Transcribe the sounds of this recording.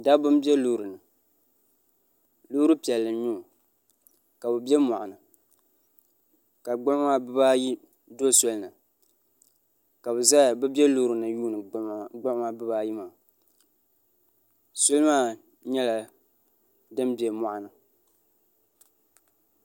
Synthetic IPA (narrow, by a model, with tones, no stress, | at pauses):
da˦bʊ˦m˦bjɛ˦lu˦˨ɾɨ˨nɨ˨ | luː˦ɾɨ˦pi˨ɛ˨lːɨ˨ɲu˦˨ | ka˨bɨ˨bɛ˦mɔ˨ʔa˨nɨ˨ | ka˨ɡ͡bʊ˦maː˦˨bɨ˦ba˦ji˦ | do˦sɔ˦lnɨ˨ | ka˨bɨ˨za˦˨bɨ˦bɛ˦luː˦ɾɨ˨nɨ˨juː˦nɨ˨ɡ͡bʊ˦a˦bɨ˦baː˦ji˦ma˨ | so˦lɨ˦maː˦ | ɲɛ˦la˨ | dɨ˦m˦bɛ˨mɔ˨ʔa˨nɨ˨